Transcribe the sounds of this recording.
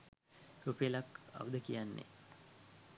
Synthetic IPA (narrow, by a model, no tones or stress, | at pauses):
tupelaka̰ʋud̪əkijanːḛ